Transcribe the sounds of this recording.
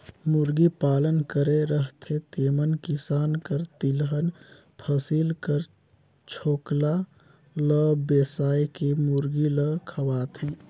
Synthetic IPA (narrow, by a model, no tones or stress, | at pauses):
mʊɾɡipaːlənkəɾeɾəɦt̪ʰet̪eːmənkɪsaːnkəɾt̪ilɦən | pʰəsiːlkəɾ | t͡ʃʰoːkla | ləbeːsaːekemʊɾɡiləkʰəʋaːt̪ɦɛ̃ː